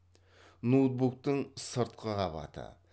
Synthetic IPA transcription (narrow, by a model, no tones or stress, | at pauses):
not̪̚buk̚t̪əɴsəɾt̪̚qʰəʁɑbɑ̰t̪ʰə̰